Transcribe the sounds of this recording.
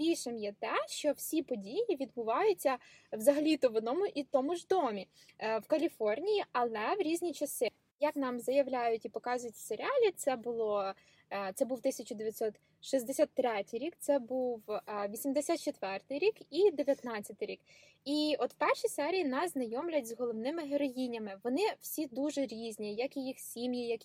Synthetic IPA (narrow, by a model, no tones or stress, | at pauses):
bʲilʲʃɪmjɛt̪ɛʃt͡ʃɔwsʲipɔdʲijjiʋʲid̪̚bʊʋɑjʊt͡sʲːɐ | ʋzɐɦɐlʲit̪ɔʋɔd̪nɔmʊʔit̪ɔmʊʒd̪ɔmʲi | wkɐlʲifɔrnʲijiɐlˠɛʋɾʲizʲnʲit͡ʃɐsɪ | jɐknɑmzɐjɐʋlʲajʊtʲipɔkɑzʊjʊtʲseɾʲɪɑlʲit̪sɛbʊlˠɔ | t̪sɛbuwt̪ɪsʲɐt͡ʃʊd̪eʋʲjɐt̪sɔt̪ | ʃizʲd̪esʲat̪ːɾɛtʲɪjɾʲik̚t̪sɛbuwʋʲisʲimd̪esʲat̪t͡ʃet̪ʋɛrt̪ɪjɾʲikid̪eʋʲjɐt̪nɑt͡sʲːɐt̪ɪjɾʲik | iɔt̪pɛrʃisɛɾʲijinɑsznɐjɔmlʲɐt̚ʲzɦɔlˠɔwnɪmɪɦeɾɔjinʲɐmɪʋɔnɪw̥sʲid̪uʒɛɾʲizʲnʲijɐkijixsʲimjijɐk